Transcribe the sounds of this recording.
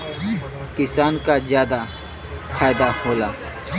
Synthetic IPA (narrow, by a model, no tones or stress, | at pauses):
kɪsaːnkazjaːd̪a | fʰaːjd̪ahoːlaː